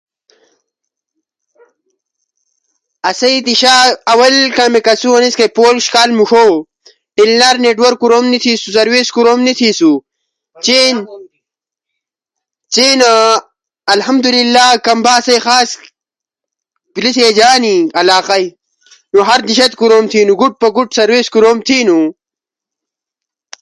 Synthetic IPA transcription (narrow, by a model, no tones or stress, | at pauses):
ɐsɐit̪iɕaːɐwɐlkamekɐsuɐniskɐjpoːlʃkaːlmuʂo | ʈilnaɾneʈwɐɾkːuɾoːmnit̪ʰiːsusɐɾweskuɾomnit̪ʰiːsu | t͡ɕen | t͡ɕeːna | ɐlhɐmd̪ulilːaːkɐmbaːsɐjxaːs | piliseːd͡ʑaːniɐlaːqɐj | nuɦɐɾd̪iɕɐt̪kuɾoːmt̪ʰiːnuɡuʈ̚pɐɡuʈsɐɾweːskuɾoːmt̪ʰiːnu